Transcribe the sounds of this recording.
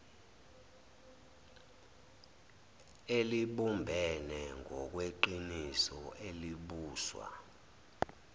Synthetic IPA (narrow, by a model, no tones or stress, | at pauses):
eliɓumbʱɛnɛŋʱɔk̬weǃinisɔʔeliɓuːswa̰